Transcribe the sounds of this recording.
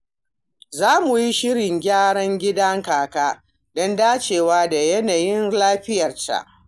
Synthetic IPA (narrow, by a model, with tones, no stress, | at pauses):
zaː˦mu˨ji˦ʃɪ˦ɽɪ˨ŋɡʲaː˦ɽɐ˦ŋɡʲɪ˦dɐ˦ŋkaː˨kaː˦ | dɔ˦ndaː˦t͡ʃeː˨waː˦da˨jɐ˦naː˨jɪ˦nlaː˦ɸɪ˦jɐ˨rta̰˦˨ʔ